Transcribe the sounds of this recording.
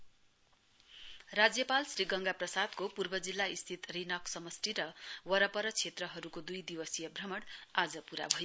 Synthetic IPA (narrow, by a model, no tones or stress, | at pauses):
rad͡zjʌpalsriɡʌŋɡaprʌsad̪kopurbʌd͡zilːaist̪ʰit̪rinʌksʌmʌsʈiɾʌwʌɾʌpʌɾʌt͡sʰet̪rʌɦʌɾukod̪ujd̪iwʌsjʌbrʌmʌɽad͡zʌpuɾa̰bʱʌjo